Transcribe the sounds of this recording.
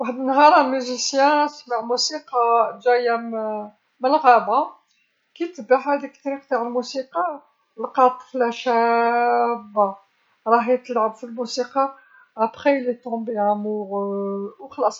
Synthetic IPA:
waħd̪ənːɦɑɾˤɑmyʒisjæ̃sməʕmusiqɑʒæjæ | məlɣæba | kit̪əbːaħæd̪ikt̪ɾiqt̪aʕəlmusiqɑ | lqɑt̪ˤflæʃæ | ba | ɾˤɑɦit̪əlʕəbfilmusiqɑ | ʔæpχelit̪ɔ̃biʕæmuʁwxɑlɑsˤ

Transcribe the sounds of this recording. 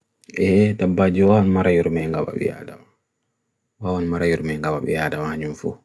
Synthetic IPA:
ʔɛdabːaːd͡ʒiwawanmaɾajuɾmajŋɡaɓa̰ɓɛ̰ja̰ːdama | wawanmaɾajuɾmajŋɡabaɓɛ̰jaːdamahaɲumfṵː

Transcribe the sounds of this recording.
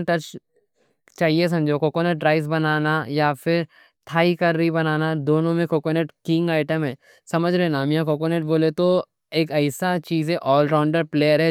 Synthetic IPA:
ʈɐt͡ʃ | t͡ʃaːɦies̬ɐ̃md͡ʒoːkoːkoneʈ̚ɖɾaːɪs̬bɐnaːnajafɪɾ | t̪ʰaːikɐɾːibɐnaːnad̪oːnõmẽkoːkoːneʈkɪ̃ŋɡaːɪʈəmɦɛ̃ː | sɐməd͡ʒʱɾenaːmijãkoːkoːneːʈ̚boːlet̪o | eːkɐɪsat͡ʃiːzɦɛ̃ʔɔːlɾaːʊɳɖəɾpleːəɾɦɛ

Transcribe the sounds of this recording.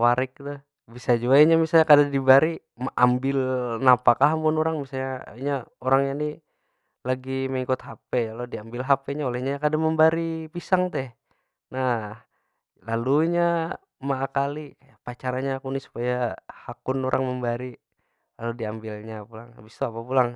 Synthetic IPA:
waɾik̚t̪ə | bisad͡ʒuaiɲamisalɲakadadibaɾi | mʔambɪlnapakaɦampʊnoɾaŋmisalɲaiɲaoɾaŋjani | laɡiməŋikʊt̪hapɛjalodiambɪlɦapɛɲaolɛhɲakadaməmbaɾipisaŋt̪ɛh | nah | laluiɲa | maːkalikajapat͡ʃaɾaɲaːkunisu̥pajahakʊnoɾʔaŋməmbaɾi | laludiambɪlɲapulaŋa̰bist̪uapapulaŋ

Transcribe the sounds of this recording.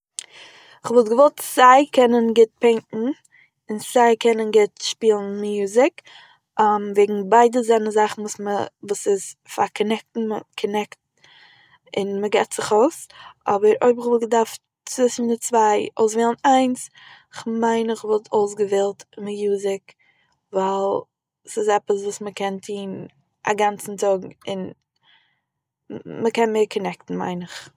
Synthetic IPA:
ɪχvɔlˠtɡəvɔlˠtsaɪkʰɛnənɡɪt̚pɛŋkŋ̩ | ɪnsaɪkʰɛnənɡɪtʃpiːlˠn̩mjuːzɪk | mveːɡŋ̩baɪdəzɛnəzaχn̩vuːsməvuːsɪsfa̰ɾkʰɔnɛk̚tn̩məkʰɔnɛkt̚ | ɪnməɡɛtz̥ɪχoʊsʔɔbəɾo̰ɪbɪχvɔlˠɡdaɾf | t͡sɪsn̩ɪndɪt͡svaɪʔo̰ʊsveːlˠənaɪns | ɪχmaɪnɪχvɔlˠtʰoʊs̬ɡəvelˠtmɪjuːzɪk | vaɪlˠ | sɪsɛpəsvuːsməkɛntʰiːn | a̰ɡant͡sn̩tʰɔɡŋ̩ɪn | məkɛnmeɪɾkʰɔnɛktn̩ma̰ɪnɪχ

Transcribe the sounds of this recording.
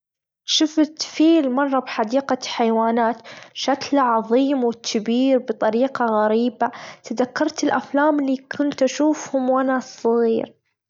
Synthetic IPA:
ʃʊft̪fiːlmɑrˤːɑbħad̪iːqaħajwaːnaːt̪ʃaklaʕɑðˤiːmwɪkʰːɪbiːɾbɨt̪ˤɑɾiːqɑɣaɾiːbat̪aðakːɑɾˤt̪ɪlʔaflaːmliːkʰʊnt̪ʔaʃuːfhʊmwanasˤːɨɣiːɾ

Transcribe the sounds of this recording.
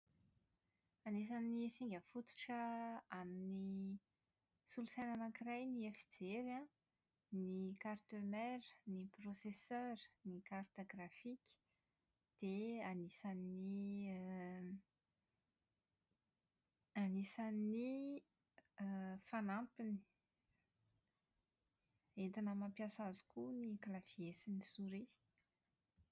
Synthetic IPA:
anis̬anːisiŋɡʲəfut̪u̥ʈ͡ʂəanni | sulusajnanakirajniefid͡zeɾã | nikart̪ømɛɾəniprosesøɾnikart̪oɡrafikʲə̥ | d̪̥eanisanni | anisanːi | fanampini̥ | et̪inəmapjasazu̥kunikalaviesinisuɾi

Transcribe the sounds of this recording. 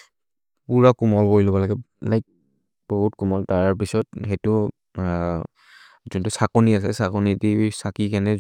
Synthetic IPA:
puɹakumɔɹbɔjlɔbalaɡɛlajk̚ | b̥ɔɦutkumɔltaɹpisɔt̚xɛtʊ | zuntusakɔniasɛsakɔnitisakikanɛ

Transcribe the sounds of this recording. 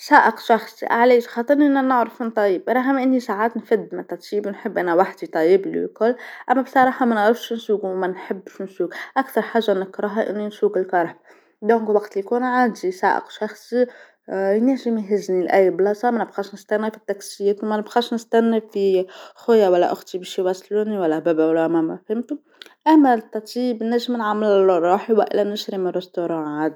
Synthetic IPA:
saːʔɪqʃɑxsˤḭʔa̰ʕleːʃxɑːt̪ˤɑɾˤniʔɪnːænɪʕɾɪfmɪnt̪ˤɑjːibɾˤɑɦɪmʔɪnːisaːʕaːt̪nfɪd̪ːmæt̪ːat̪iːbnħɪbːʔænæwaħd̪it̪ˤɑjiblḭwkʊlːʔæmːæbsˤɑɾˤɑːħɑmænʕɾɪfʃnsuːɡwmænħɪbːʃnsuːɡʔakt̪ɑɾˤħaːʒːanɪkɾˤɑɦaʔɪ̰nːinsuːɡɪlkɑɾˤħb | d̪õːŋkwaɡt̪likuːnʕaːd̪isa̰ːʔɪ̰qʃɑxsˤi | jnɪʕʒɪmiɦɪznilʔæjːblɑsˤɑmænɪbɣɑːʃnɪst̪ænːafit̪ːɑksɪjːeːt̪wmænɪbɣɑʃnɪst̪ænːafixʊjːawælːæ̰ʔʊxt̪ibiʃjwæsˤluːniwælːæbæbæwlːæmæmæfhɪmt̪ʊm | ʔæmːæt̪ˤːɑɾt̪ˤjiːbnːæʒːɪmnʕamːɪllorˤːɑːħiwæ̰ʔɪ̰lænɪʃɾimərˤːɪst̪oɾˤɑ̃ːʕaːd̪i

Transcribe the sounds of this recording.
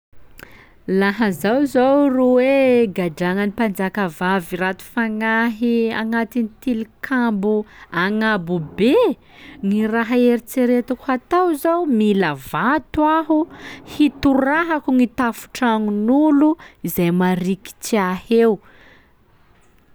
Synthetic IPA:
laɦəzawzowruweɡaɖ͡ʐaŋənipand͡zakəvavirat̪u̥faŋaɦiaŋat̪init̪ilikʰambuaŋabube | ŋiraɦaeɾit͡seɾet̪ukuat̪awzawmilavat̪waɦuhit̪uraɦakuŋit̪afu̥ʈ͡ʂaŋunuluizajmaɾiki̥t͡siahew

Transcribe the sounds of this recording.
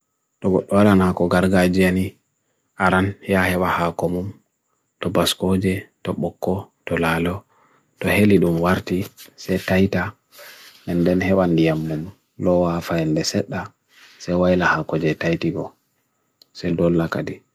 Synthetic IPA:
ɗɔɡɔɗːɔwaɗanakɔɡaɾɡad͡ʒiani | ʔaɾanjahɛɓahakɔmum | tɔbaskod͡ʒɛtɔɓɔkːɔtɔlalɔ | tɔheliɗumwaɾtisɛjtajta | mɛndɛnhɛwandijamːum | lɔwafaɛndɛsɛɗːa | sɛjwajilahakɔd͡ʒɛtajtiɡɔ | sɛjdɔlːakadi

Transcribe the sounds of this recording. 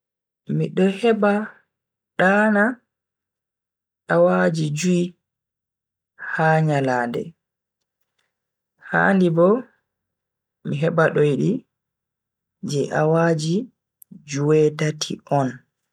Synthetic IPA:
miɗɔhɛba | ɗaːna | ʔawad͡ʒid͡ʒui | haːɲalaːndɛ̰ | ha̰ndibɔ | miɦɛbaɗɔjiɗi | d͡ʒɛʔawad͡ʒi | d͡ʒuwɛtatʰḭɔn

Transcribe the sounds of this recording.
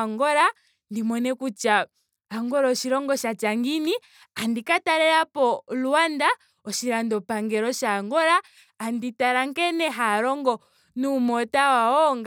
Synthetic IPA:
ŋɡɔɾa | ndimɔnɛkut͡ʃaː | ŋɡɔɾɔʃiɾɔŋɡɔʃat͡ʃaŋɡini | andikataɾɛɾapɔluanda | ɔʃiɾandɔpaŋɡɛɾɔʃaːŋɡɔɾaː | nditaɾaŋkɛnɛɦaɾɔŋɡɔ | numɔtawaɔŋɡ

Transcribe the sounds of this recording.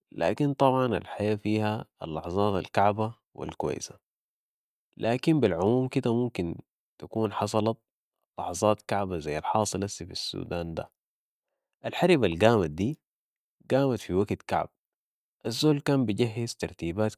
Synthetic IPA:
la̰ːkint̪ˤɑbʕɑna̰lħajaːfiːha̰ːlːɑħɑzˤɑːt̪a̰lkaʕba | wḭlkwa̰j̰sḁ | lʔaːkimbilʕʊmuːmkid̪amumkin | t̪akuːnħɑsˤɑlɑt̪̚ | lɑħɑzˤɑːt̪kaʕbazajːalħɑːsˤɨlʔasifisːṵːd̪aːnd̪a̰ | ʔalħaɾibalɡaːmad̪iː | ɡaːmat̪fiwaɡt̪ka̰ʕb̥̚ | ʔazːoːlkaːmbiɟaɦːɪzt̪ɑɾˤt̪iːbaːt̪

